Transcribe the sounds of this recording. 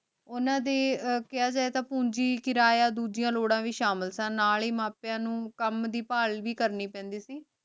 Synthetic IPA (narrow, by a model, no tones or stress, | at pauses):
ʊnãːd̪eːkɪaːd͡ʒaːeːt̪ãːpũːɲd͡ʒiːkɪɾaːjaːd̪uːd͡ʒɪjãːloːɽãːʋiːʃaːməlsãːnaːleːmaːpjãːnũːkəmd̪iːpaːlʋiːkəɾniːpɛ̃ːnd̪iːsiː